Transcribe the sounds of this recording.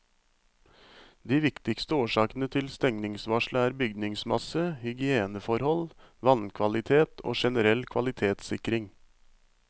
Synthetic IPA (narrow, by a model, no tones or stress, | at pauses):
d̪iːʋɪkt̪ɪkst̪əoːʂɑːkənət̪ʰɪlst̪ɛŋnɪŋsʋɑʂɭəæːɾbʏɡd̪nɪŋsmɑsəhʏɡɪeːnəfɔɾhɔl | ʋɑnkʰʋɑlɪt̪ʰeːt̪ʰo̰ːʃɛnəɾɛlkʰʋɑlɪt̪ʰeːt̪sɪkɾɪŋ